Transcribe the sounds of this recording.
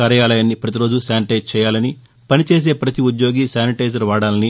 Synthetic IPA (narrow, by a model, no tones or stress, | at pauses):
aːɾɐjaːlɐjaːnːipɾɐt̪iɾo̞ːd͡ʒusaːniʈɐjzt͡ʃɛːjaːlɐni | pɐnit͡ʃe̞ːs̬e̞ːpɾɐt̪iud̪jo̞ːɡiːsaːniʈɐjd͡ʒɐɾʋaːɽaːlɐni